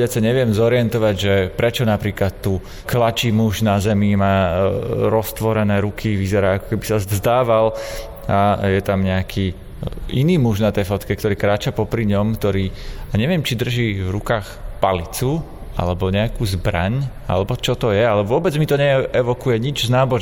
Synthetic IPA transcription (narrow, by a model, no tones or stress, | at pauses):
ɛat͡saɲɛʋɪɛmzɔɾɪɛnt̪ɔʋaɟʒɛpɾɛt͡ʃɔnapɾiːklat̪ːuː | klat͡ʃiːmuʒnazɛmimaː | ɾɔst̪ʋɔɾɛnɛːɾukʰiʋizɛɾaːakɔ̥kɛbisazzd̪aːʋal | ajɛt̪amɲɛakʰiː | iniːmuʒnat̪ɛjfɔt̪kɛkt̪ɔɾiːkɾaːt͡ʃapɔpɾiɲɔmkt̪ɔɾiːaɲɛʋɪɛmt͡ʃid̪r̩ʒiːvɾukaːxpalit͡sua̰lɛbɔɲɛakuːzbɾa̰ɲa̰lɛbɔt͡ʃɔt̪ɔjɛalɛʋʊɔbɛd͡zmit̪ɔɲɛɛʋɔkujɛɲid͡ʒznaːbɔʒ